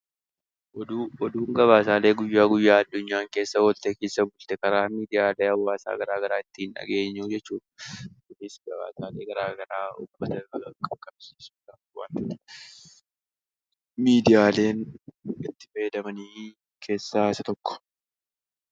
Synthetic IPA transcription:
ʔɔd̪ɔd̪uːŋɡɐβaːsaːle̞ːɡʊjːaːɡʊjːaːɐd̪ːʊɲːaːŋke̞ːsːɐwɔlt̪ekiːsːɐbʊlt̪ɛkɐɾaːmiːd̪ɪjaːleːɐwːaːsa̰ːɡɐɾaːɡɐɾaːɪt̪ːɪhɪnᶑɐ̰ɡeːɲːuːd͡ʒɛt͡ʃːu̥ːkʊnɪsɡɐba̰ːsaːleːɡɐɾaːɡɐɾaːɐbɐt̪ɐɐɡɐkʼːɐb̚kʼɐbsiːsuːdɐ | wa̰ːnt̪ɪ | miːd̪ɪjaːle̞ːnɪt̪ːɪ̥fɐjɛd̪ɐmɐniː | kʰe̞ːsːɐhaːsɐt̪ɔkːɔ̥

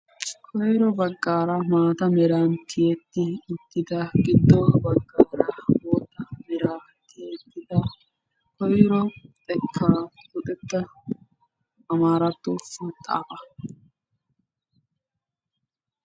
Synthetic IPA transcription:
kʰɔjɾɔbɐɡːaːɾɐmaːt̪ɐmɛɾaːnt̪ʰɪjɛt̪ːɪɪt̪ːɪd̪ɐɡɪd̪ːɔbɐɡːaːɾɐwɔt̪ːɐmɛɾaː | t̪ʰɪjɛt̪ːɪd̪ɐ | kɔjɾɔt̪ʼɛkʰːaːt̪ʊt̪ʼɛt̪ːɐ | ɐmaːɾɐt̪ːofɐt̪ʼːa̰ːfɐ

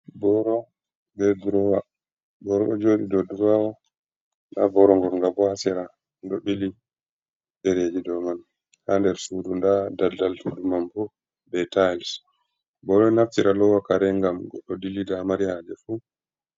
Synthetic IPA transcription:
bɔɾɔ | bɛduɾɔwa | bɔɾɔɔd͡ʒoːɗidɔduɾawɔ | ɗa̰bɔɾɔŋɡɔɾŋɡabɔhasiɾa | ndoɓili | dɛɾed͡ʒidɔman | handɛɾsudundadaldalsudumanbɔ | bɛtajls | bɔɾɔnaftiɾalɔwakaɾɛŋɡamɡɔ̰ɗːɔdilːidamaɾijad͡ʒɛfu

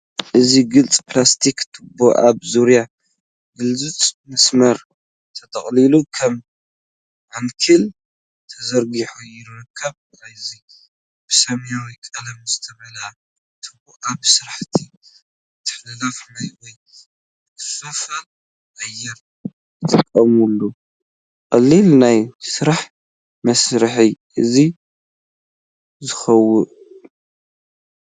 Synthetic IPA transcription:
ʔɨziɡɨlt͡sʼpʰlast̪ʰikt̪ʰɨbːoʔa̰βzuɾja | ɡɨlzɨt͡sʼmɐsmɐɾ | t̪ʰɐt̪ʼɐχʼlilukʰɐm | ʔaŋkʰil | t̪ʰɐzɐɾɡiħujɪɾuɾɨkʰːɐβ | ajzi | b̥ɨsɐmjawikʼɐlɐmzɨt̪ʰɐβɐla | t̪ʰɨbuʔʼabɨsɨɾaħt̪ʰi | t̪ʰɨ̥ħlɐlafnajwɔj | tʰɨfɐfɐl | ʔajɛɾ | t̪ʰʼɨkʼːɐmulːu | qʼɐlːilnajsɨɾaħ | mɐsɾɨħiʔɨzi | zɨxɐwuʔ

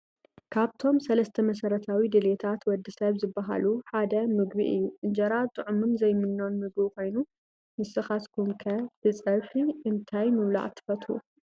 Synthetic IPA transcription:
kʰaβt̪ʰo̞msɐlɐst̪ʰɐmɐsɐɾɐt̪ʰawid̪ɨlet̪ʰat̪wɔd̪ːɨsɐβzɨbːaɦa̰luħad̪ɐmɨɡbḭʔɨ̰jːuʔɨnd͡ʒɐɾazʼɨʕumɨnzɐjmɨnːo̞nmɨɡbikʰo̞jnu | mɨsɨxaskʰumkʰɐb̥ɨt͡sʼɐfiʔɨnt̪ʰajmɨwla̰ʕt̪ʰɨ̥fɐt̪ʰʼṵ

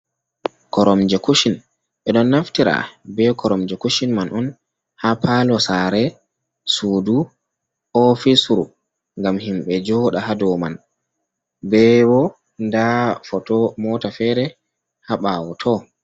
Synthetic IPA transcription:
kɔɾɔmd͡ʒɛkuʃin | ɓɛɗɔnːaftiɾa̰bɛkʰɔɾɔmd͡ʒɛkuʃinmanʔɔn | hapʰalɔsaɾɛ | sudu | ɔfisɾṵ | ŋɡamhimɓɛd͡ʒɔɗahadɔman | bɛwɔ | ndafɔtɔmɔtafɛɾɛ | haɓawɔtʰɔ

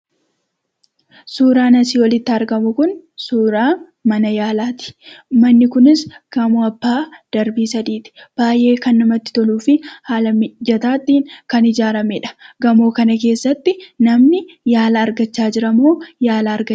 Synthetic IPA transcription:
suːɾaːnɐsiːwɔlɪt̪ːɪɐɾɡɐmʊkʊnsuːɾaː | mɐnɐjaːlaːt̪ɪ̥mɐnːɪkʊnɪsɡ̥ɐmʊɐbːaːd̪̥ɐɾbiːsɐd̪iːt̪ɪ̥b̥aːjʔe̞ːkɐnːɐmɐt̪ːɪ̥t̪ɔluːfɪhaːlɐmɪd͡ʒɐt̪aːt̪ːiːŋkɐnɪd͡ʒaːɾɐmɛᶑɐ̥ɡɐmo̞ːkɐnɐk̬e̞ːsːɐt̪ːɪnɐmnɪ | jaːlaːɾɡɐt͡ʃːaːd͡ʒɪɾɐmoːjaːlaːɾɡɐ

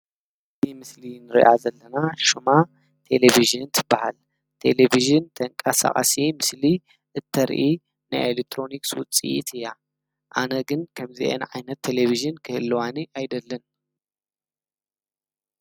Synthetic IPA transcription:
timɨslinɨɾḭʔa̰zɐlːɐnaʃuma | t̪ʰe̞leviʒɨnt̪ʰɨ̥bːaha̰l | t̪ʰe̞̰leviʒɨnt̪ʰɐŋkʼɐsa̰χʼsimɨsli | ʔɨt̪ʰːɐɾʔi | nɨelek̚t̪ʰɾo̞nikswʊt͡sʼḭḭt̪ʰɨjːa | ʔanɐɡɨnkʰɐmziʔḛnʕajnɐt̪ʰːeleβiʒɨnkʰɨhɨlːɨwaniʔajd̪ɐlːɐn

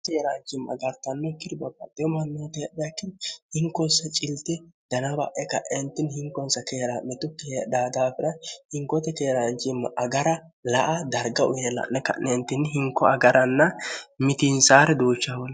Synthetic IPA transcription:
keːɾant͡ʃːɪmːɐ̰ɡɐɾt̪ɐnːɔkːɪd̪bɐbɐ̰t̪ːɪjɔmɐnːɔt̪ɛjɐɗɪjakːɪnhɪŋkːɔnsːɐt͡ʃʼɪlt̪ɪd̪̥ɐnɐbɐ̰ʔɛkːɐʔɛnt̪ːɪnhɪŋkːɔnsɐkeːɾɐmɛt̪ʊked̪aːd̪aːfɪɾɐhɪŋkɔt̪ɛkeːɾant͡ʃɪmːɐʔɐɡɐɾɐ | lɐʔɐd̪ɐɾɡɐʔʊjɛlɐ̰ʔnɛkɐ̰nnɛnt̪ːɪnhɪŋkːɔɐɡɐɾɐnːɐmɪt̪ɪnsaːɾɛd̪uːt͡ʃːabɔn

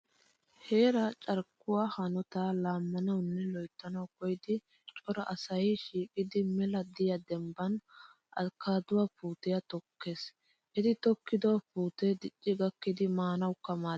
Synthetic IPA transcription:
he̞ːɾɐt͡ʃʼɐɾkːʊwaːhɐnɔt̪aːlaːmːɐnɐwnːɛlɔjt̪ːɐnɐwkɔjɪd̪ɪ | t͡ʃʼɔɾɐʔɐsɐjɪʃiːkʼɪd̪ɪmɛlɐd̪ɪjad̪ɛmbɐn | ʔɐ̰kʰːaːd̪ʊwapuːt̪ɛjat̪ɔkːe̞ːs | ʔɛt̪ɪt̪ɔkːɪd̪ɔwapuːt̪ɛd̪ɪt͡ʃʼːɪɡɐkːɪd̪ɪmaːnɐwkːɐmaː

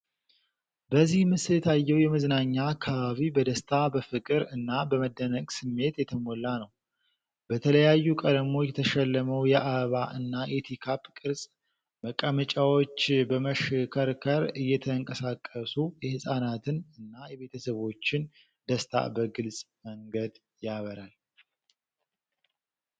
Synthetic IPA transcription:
bəzihmɨsjɛt̪ʰajːɛwjɛməznaɲːaːkʰːaβaβibəd̪əst̪ʰabəfɨkʼɨɾɨnːabəməd̪ːənəɡsɨmːe̞t̪jɛt̪ʰəmolːanəw | bət̪ʰələjajːukʼələmo̞t͡ʃːjɛt̪ʰəʃɛlːəməwjɛʔaβaʔɨnːajɛt̪ʰikʰapkʼɨɾsʼ | məkʼːəmət͡ʃʼawo̞t͡ʃːbəməʃkʰəɾkʰəɾɨjːɛt̪ʰəŋkʼəsakʼːəsujɛhɨsʼanat̪ʰɨnɨnːajɛβe̞t̪ʰəsəβo̞t͡ʃːɪn | d̪əst̪ʰa̰bəɡɨlsʼməŋɡəd̪ | jaβəɾal

